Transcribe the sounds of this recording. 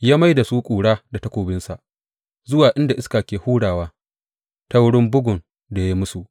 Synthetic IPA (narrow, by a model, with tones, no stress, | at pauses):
jaː˦ma˦jda˨su˦kʷʼuː˨ɽaː˦da˨ta˦kʷoː˨bɪ˦nsa˨ʔ | zʊ˦waː˨ʔɪ˦nda˨ʔɪ˦skaː˨kʲeː˨huː˦ɽaː˨waː˦ | ta˦wɽɪ˦mbʊ˦ɡʊ˨n | da˨ja˦i˦mʊ˦su˨ʔ